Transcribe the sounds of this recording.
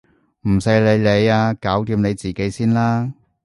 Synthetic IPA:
m̩˨˩se˧˥le˨˧jle˨˧jaː˧kaː˨˥wt̪iː˧mne˨˧jt͡siː˨˩ke˨˥jsiː˥nlaː˥

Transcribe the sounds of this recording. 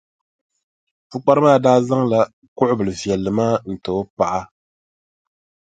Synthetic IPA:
fu˦k͡pa˦ɾɨ˦maː˦˨daː˦za˦ŋla˨ | kʊ˦ʔʊ˦bɨ˨lɨ˨vjɛ˨lːɨ˨maː˦n̩˨to˨˦pa˨ʔa˦

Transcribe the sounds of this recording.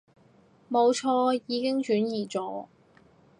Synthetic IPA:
mo˨˧wt͡ʃʰɔː˧jiː˨˧kɪ˥ŋt͡ʃyː˨˥njiː˨˩t͡sɔː˨˥

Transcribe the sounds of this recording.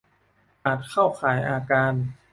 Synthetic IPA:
ʔaː˨˩t̪̚kʰa˥˩wkʰaː˩˦jʔaː˧kaː˧n

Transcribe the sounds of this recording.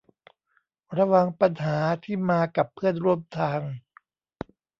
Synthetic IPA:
ɾa˧wa˧ŋpa˧nɦaː˩˦t̪ʰiː˥˩maː˧ka˨˩pʰːɯ˥˩ənɾu˥˩əmt̪ʰaː˧ŋ

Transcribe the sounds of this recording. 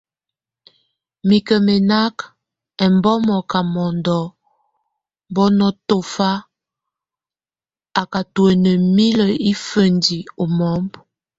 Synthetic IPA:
mi˨kə˨mɛ˨na˦k | ɛ˨mbɔ˦mɔ˨ka˨mɔ˨ndɔ˨ | mbɔ˦nɔ˦to˨fa˦ | a˨ka˨twɛ˨nə˨mi˦lə˨i˦fə˨ndi˨o˨mɔ˦mb

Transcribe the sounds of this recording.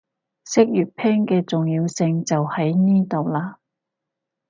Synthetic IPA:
sɪ˥k̚jyː˨t̚pʰɛː˥ŋkɛː˧t͡sʊ˨ŋjiː˧wsɪ˧ŋt͡sɐ˨whɐ˨˥jniː˥t̪o˨wlaː˧

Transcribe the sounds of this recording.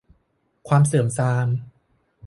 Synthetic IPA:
kʰwaː˧msɯː˩˦msaː˧m

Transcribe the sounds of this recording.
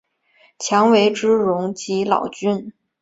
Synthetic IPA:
t͡ɕʰjɑ˧˥ŋwe˧˥ɪʈ͡ʂɻ̩˥ɻʊ˧˥ŋt͡ɕi˧˥lɑ̰˨˩ʊt͡ɕy˥n

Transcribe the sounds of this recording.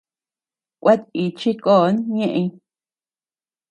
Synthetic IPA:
kʷe˦t̪i˨t͡ʃi˦koː˦˨˦nɲẽ˦ʔẽ˧˦˧

